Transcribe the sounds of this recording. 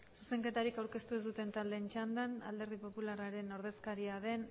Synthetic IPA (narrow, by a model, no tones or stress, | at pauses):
suse̞ŋke̞t̪aɾikawɾke̞st̪uezd̪ut̪e̞nt̪ald̪e̞nt͡ʃand̪ana̰ld̪e̞ɾð̞ipo̞pularaɾe̞no̞ɾð̞e̞skaɾiaðe̞n